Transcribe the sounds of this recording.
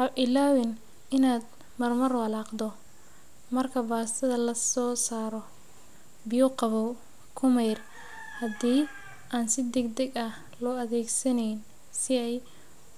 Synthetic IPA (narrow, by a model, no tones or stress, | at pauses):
ɑʔɪlaːwɪn | ɪnaːd̪ | mɐrmɐrwɐlaːqd̪ɔ | mɐrkʰɐbaːst̪ʰɐðɐlɐsɔːsaːɾɔ | bɪjɔqɑβɔw | kʰʊmɛjr | hɐd̪iː | ʔaːnsɪd̪ɛɡd̪ɛɡɐh | lɔɐðɛːɡsɐnɛjn | sɪɛj